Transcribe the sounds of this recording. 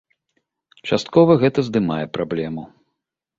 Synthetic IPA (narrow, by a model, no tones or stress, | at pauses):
t͡ʂast̪̚kɔvɐɣɛt̪ɐzd̪ɨmajɛpɾablʲɛmu